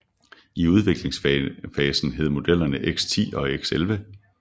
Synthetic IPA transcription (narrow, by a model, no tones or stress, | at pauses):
iuð̞ˠʋe̝ɡ̥le̝ŋsfɛːsn̩ɦe̝ð̞̰ˠmo̝d̥el̰ɐnəʔeɡ̥st͡sʰḭːɒ̽eɡ̥selʋə